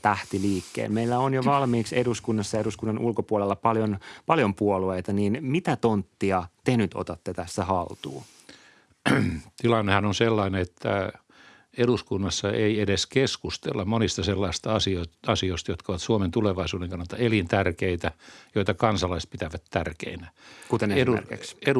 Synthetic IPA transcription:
t̪æht̪iliːkːḛːlmeilːæonjoʋɑlmiːkseduskunːɑsːɑjɑeɾuskunːɑnʔulkopuolelːɑpɑljonpɑljompuolueit̪ɑniːnmit̪æt̪ont̪ːiɑt̪enyt̪o̰t̪ɑt̪ːet̪æsːæhɑlt̪ṵː | t̪ilɑnːehɑnonselːɑineet̪ːæ̰ | eɾuskunːɑsːɑʔeiedeskeskust̪ḛlːɑmmonist̪ɑselːɑist̪ɑɑsioɑsioist̪ɑjot̪kɑoʋɑt̪suoment̪uleʋɑisuːdeŋkɑnːɑlt̪ɑelint̪ærkeit̪æjoit̪ɑkɑnsɑlɑist̪̚pit̪æʋæt̪tærkḛinækut̪eneseium̰rkḭkse

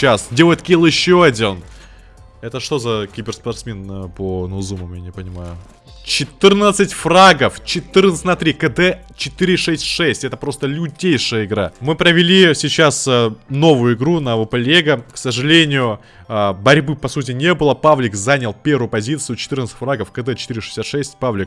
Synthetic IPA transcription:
asdʲelˠəjɪt̪kʲilˠjɪɕːoɐdʲin | ɛt̪əʂt̪ozɐkʲɪbʲɪrspɐrt̪smʲe̞nponozuməmjanʲɪpənʲɪmajʊ | t͡ɕɪt̪ɨrnət̪sɨtʲfraɡəft͡ɕɪt̪ɨrnət̪ɨnat̪ɾʲikəd̪ɛ | t͡ɕɪt̪ɨɾʲɪʂɛsʲtʲʂɛsʲtʲɛt̪əpɾo̞st̪əlʲʊdʲejʂɨjəɪɡɾamɨpɾəvʲɪlʲisʲɪt͡ɕasno̞vʊjʊɪɡɾunɐvəpɐlʲeɡəksəʐɨlʲenʲɪjʊ | bɐɾʲbɨpɐsut̬ʲɪnʲe̞bɨlˠəpavlʲɪkzanʲəlˠpʲe̞ɾʊjʊpɐzʲit̪sɨjʊt͡ɕɪ̥t̪ɨrnət̪sɨ̥tʲfraɡəfkəd̪ɛt͡ɕɪ̥t̪iɾʲɪʂɨ̥sʲat̪ʂɛsʲtʲpavlʲɪk̚

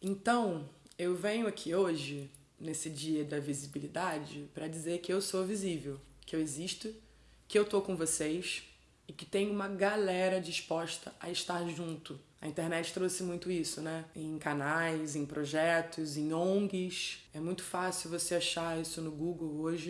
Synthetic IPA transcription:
ẽnt̪ɐ̃w̃ | ewvẽɲʊakʰioʒɪ | nesɪd͡ʒiɐd̪ɐvizibilid̪ad͡ʒɪpɾɐd͡ʒizeɾkɪewsovizivewkɪeweziʃt̪ʊ | kɪewt̪okõvosejs | ɪkɪ̥t̪ẽjɲʊũmɐɡalɛɾɐd͡ʒiʃpɔʃt̪ɐʔɐ̰ɪʃt̪aɾʒũnt̪ʊɐ̰ĩt̪eɾnɛt͡ʃɪ̥t̪ɾosɪmũj̃t̪ʊisʊnɛẽj̃kanajzẽj̃pɾoʒɛt̪ʊzẽj̃õɡɪsɛmũj̃t̪ʊ̥fasɪʊvoseaʃaisʊnʊɡuɡowoʒɪ

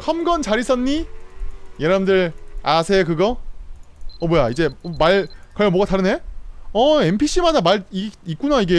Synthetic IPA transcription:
kʰʌmɡʌnt͡ɕaɾis͈ʌnɲi | jeɾaɯndɯɾasʰe̞kɯɡʌ | ʌmwojaid͡ʑe̞maɭkʌɭjʌmwoɡataɾɯne̞ʌe̞mpʰiɕ͈ʰimadamaɭiik͈unaiɡe̞

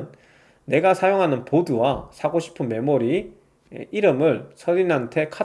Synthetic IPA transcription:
nː | e̞ɡasʰajoŋɦanɯnpoduwasʰaɡoɕʰi̥pʰɯnme̞moɾḭ | iɾɯmɯɭsʰʌɾinɦantʰe̞kʰa

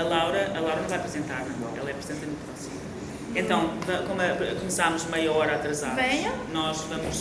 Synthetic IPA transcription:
ɐlˠawɾɐʔɐlˠawɾɐnɐ̃w̃vajɐpɾɨzẽnt̪aɾnɐ̃ɛ̰lˠɐɛpɾɨzẽnt̪ɐmũt̪pɾɔsimɐ | ẽnt̪ɐ̃w̃vɐkomɐkumɨsamuʒmɐjɐɔɾat̪ɾɐzaɾvɐ̃nɔʃvɐmuʃ

